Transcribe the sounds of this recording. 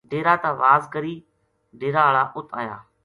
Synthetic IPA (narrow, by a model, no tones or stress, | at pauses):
ɖeːɾaːt̪aːʋaːzkəɾiː | ɖeːɾaːɭaːʔʊt̪ʰa̰ːja̰ː